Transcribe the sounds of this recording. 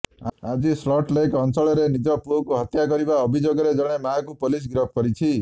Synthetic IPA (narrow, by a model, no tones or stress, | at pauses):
ad͡zislɔʈleekɔnsɔɭeɾenid͡ʒɔpuokuɦʌt̪jaɡɔɾibaʌbʱid͡ʒoɡɔɾed͡zʌɽ̃emaakupolis̬ɡɾɔp̚ʰkɔɾit͡ʃʰi